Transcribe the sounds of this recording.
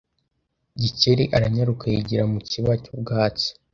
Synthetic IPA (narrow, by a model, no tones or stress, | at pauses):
ɟiceɾiʔaɾaɲaɾukaiɟiɾamuciβacubɡaːt͡si̥